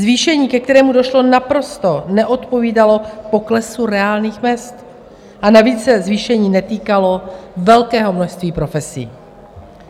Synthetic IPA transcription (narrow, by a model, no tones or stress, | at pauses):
zviːʃɛɲiːkɛk̚t̪ɛɾɛːmudo̞ʃlo̞napɾo̞st̪o̞nɛʔo̞t̪po̞viːdalo̞po̞klɛsuɾɛaːlniːxmɛst̪ | ʔanaviːt͡sːɛzviːʃɛɲiːnɛt̪iːkalo̞vɛlkɛːɦo̞mno̞ʃst̪viːpɾo̞fɛsḭː